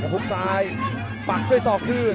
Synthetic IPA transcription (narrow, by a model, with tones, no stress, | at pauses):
a˧˩pʰu˦˥k̚saː˦˥j | pa˨˩t͡ɕʰu˥˩jt̪ɔː˨˩kʰɯː˥˩